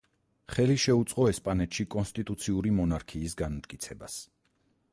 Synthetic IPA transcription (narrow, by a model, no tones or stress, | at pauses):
χɛliʃɛut̪sʼqʼɔɛspʼanɛt̪ʃikʼɔnst̪ʼit̪ʼut̪sʰiuɾimɔnaɾkʰiːsɡanmt̪̚ʼkʼit̪sʰɛbas